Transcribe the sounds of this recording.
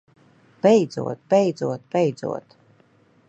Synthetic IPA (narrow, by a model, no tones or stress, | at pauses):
b̥ɛjd̪zṵɔt̪̚bɛjd̪zuɔt̪̚bɛjd̪zṵɔt̪